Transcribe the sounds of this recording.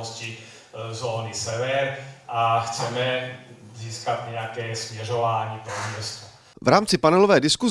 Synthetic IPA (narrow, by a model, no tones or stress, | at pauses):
oscɪ | zoːnɪsɛvɛɾʔaxt͡sɛmɛziːskat̪ɲɛjakɛːsmɲɛro̞vaːɲiːpɾomɲɛst̪o | vɾaːmt͡sɪpanɛlo̞vɛːdɪsku